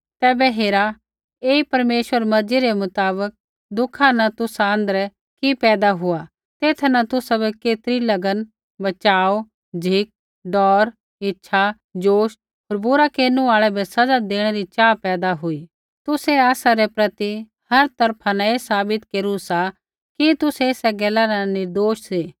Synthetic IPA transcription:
t̪ɛːbɛɦeːɾa | eːipɐɾmeːʃwəɾmɐɾd͡ʒiɾemʊt̪aːbək̚ | d̪ʊkʰanɐt̪ʊsaə̃nd̪əɾɛ | kipɛːd̪aɦʊa | t̪eːt̪ʰnɐt̪ʊsabɛkeːt̪ɾilɐɡən | bɐt͡ʃaːo | d͡ʒʱiːk̚ | ɖɔːɾ | ɪtːʃʰa | d͡ʒoːʃ | ɦoːɾbʊɾakeːnũaːɭɛbɛsɐd͡ʒad̪eːɽ̃eɾit͡ʃaːpɛːd̪aɦʊi | t̪ʊseaːsaɾepɾɐt̪i | hɐɾt̪ɐɾpʰanaeːsaːbɪt̪keːɾusa | kit̪ʊseɪsɛɡɛːlaɾanɪɾd̪oːʃsiː

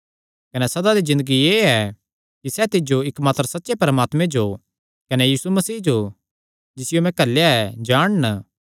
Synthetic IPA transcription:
kɐnɛsɐd̪ad̪izɪ̃nd̪əɡieːɛ | kisɛt̪ɪd͡ʒoɪkmaːt̪əɾsɐt̪ːʃepɐɾəmaːt̪mẽd͡ʒo | kɐnejiːsumɐsiːd͡ʒo | d͡ʒɪsɪjomɛ̃kɐlːjaɛd͡ʒaːɽ̃nə

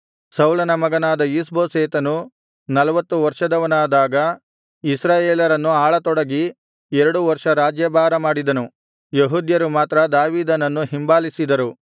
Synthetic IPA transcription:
sɐwlɐnɐmɐɡɐnaːd̪ɐjis̬boːseːt̪ɐnu | nɐlɐʋɐt̪ːuʋɐɾʂɐd̪ɐʋɐnaːd̪aːɡɐ | isɾaːjeːlɐɾɐnːuaːɭɐt̪ɔɽɐɡi | ɛɾɐɽuʋɐɾʂɐɾaːd͡ʒjɐbʱaːɾɐmaːɽid̪ɐnu | jeɦud̪jɐɾumaːt̪ɾɐd̪aːʋiːd̪ɐnɐnːuɦimbaːlisid̪ɐɾu

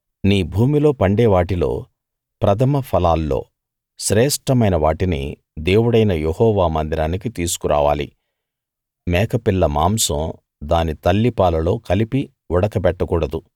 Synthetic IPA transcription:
niːbʱuːmilo̞ːpɐɳɖeːʋaːʈilo̞̰ː | pɾɐt̪ʰɐmɐpʰɐlaːlːo̞̰ː | ʃɾɛːʂʈɐmɐjnɐʋaːʈinḭ | d̪e̞ːwuɽɐjnɐjehɔːʋaːmɐnd̪iɾaːnikit̪iːsu̥kuɾa̰ːʋa̰ːlḭ | mɛːkɐpilːɐmaːmsɐ̃m | d̪aːnit̪ɐlːipaːlɐlo̞ːkɐlipi | ɔɽɐkɐpɛʈːɐkuːɽɐd̪u

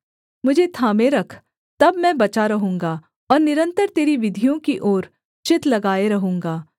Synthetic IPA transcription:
mʊd͡ʒʱet̪ʰaːmẽɾɐkʰ | t̪ɐbmɛ̃ːbɐt͡ʃaɾɐɦũːŋɡa | ɔːɾnɪɾə̃nt̪əɾt̪eːɾiʋɪd̪ʱijõkiʔoːɾ | t͡ʃɪt̪lɐɡaːeɾɐɦũːŋɡaː

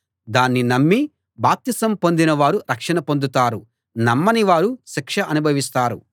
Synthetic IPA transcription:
d̪aːnːinɐmːi | baːp̚t̪isɐmpo̞nd̪inɐʋaːɾuɾɐkʂɐɳɐpo̞nd̪ut̪aːɾu | nɐmːɐniʋaːɾuʃikʂɐʔɐnubʱɐʋis̬t̪aːɾṵ

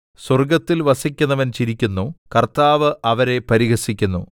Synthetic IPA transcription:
swɐrɡɐt̪ːilʋɐsikʲːunːɐʋɐnt͡ɕiɾikʲːunːukɐrt̪aːʋɨʔɐʋɐɾe̞pɐɾiɣɐsikʲːunːṵ

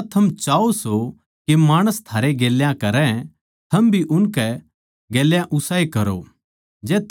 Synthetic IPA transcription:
t̪ʰɐmt͡ʃaːoso | kemaːɽ̃əst̪ʰaːɾeɡeːljãkɐɾɛ̃ | t̪ʰɐmbʱiʔʊnkɛ | ɡeːljãʔʊsaːekɐɾo̰ | d͡ʒɛːt̪ʰ

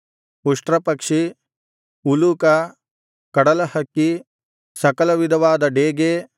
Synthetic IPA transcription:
uʂʈɾɐpɐkʂi | uluːkɐ | kɐɽɐlɐhɐkːi | sɐkɐlɐʋid̪ʱɐʋaːd̪ɐɖeːɡeː

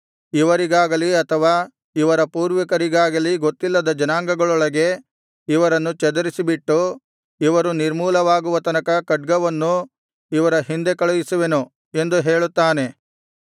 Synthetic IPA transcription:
iʋɐɾiɡaːɡɐliɐt̪ʰɐʋaː | iʋɐɾɐpuːɾʋɐkɐɾiɡaːɡɐliɡot̪ːilːɐd̪ɐd͡ʒɐnaːŋɡɐɡɐɭɔɭɐɡe̞ | iʋɐɾɐnːut͡ʃɛd̪ɐɾisibiʈːu | iʋɐɾuniɾmuːlɐʋaːɡuʋɐt̪ɐnɐkɐkɐɖ̚ɡɐʋɐnːu | iʋɐɾɐɦind̪e̞kɐɭujisuʋe̞nu | e̞nd̪uɦe̞ːɭut̪ːaːne̞

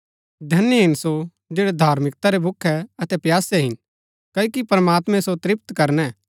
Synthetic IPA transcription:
d̪ʱɐnːiɦɪnso | d͡ʒeːɽɛd̪ʱaːɾmɪkt̪aɾebʱʊkʰːɛɐt̪ɛpjaːsɛɦɪn | kɐːoːkipɾəmaːt̪mɛ̃sot̪ɾɪpt̪kɐɾnɛ

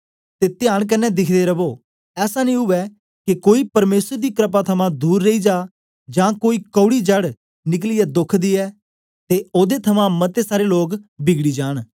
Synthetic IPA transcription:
t̪eːt̪ɪjaːɽ̃k̬ənːɛd̪ɪkʰd̪eɾəboː | ɛːsanĩːɦʊʋɛ | kekoːipɐɾmeːsəɾd̪iːkɾəp̬aːt̪ʰɐmãd̪uːɾːeiːd͡ʒaː | d͡ʒãːkoːiːkəːɽiːd͡ʒəɽ | nɪk̬lɪjɛːd̪ʊkʰd̪iːɛː | t̪eoːd̪et̪ʰɐmãmɐt̪esaːɾeloːkbɪɡɽiːd͡ʒaːɽ̃

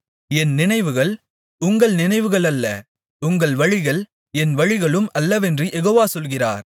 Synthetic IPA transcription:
ɛnnɪnɐɪʋɯɣɐɭ | ʊŋɡɐɭnɪnɐɪʋɯɣɐɭɐlːɐ | ʊŋɡɐɭʋɐɻɪɣɐɭ | ɛnʋɐɻɪɣɐɭɯmʔɐlːɐʋɛndrijʔɛɣoːʋaːsɔlɣɪra̰ːɾ

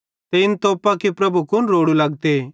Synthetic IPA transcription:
t̪eɪnt̪oːpakepɾɐbʱukʊnɾoːɽulɐɡt̪e

